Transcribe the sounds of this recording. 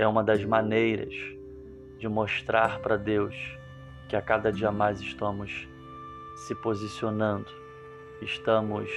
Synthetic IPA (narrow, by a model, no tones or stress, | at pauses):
ɛũmɐd̪ɐzmanejɾɐ̰z | d͡ʒɪmoʃt̪ɾaɾpɾɐd̪ews | kɪakad̪ɐd͡ʒiɐmajzɪʃt̪ɐ̃mʊs | sɪpozisionɐ̃nd̪ʊ | ɪʃt̪ɐ̃mʊs